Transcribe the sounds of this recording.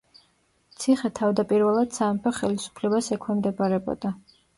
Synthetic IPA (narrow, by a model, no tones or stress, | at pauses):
t̪sʰiχɛt̪ʰavd̪apʼiɾvɛlˠad̪̥sampʰɛχɛlisu̥pʰlɛbasɛkʰwɛmd̪ɛbaɾɛbɔ̰d̪̥a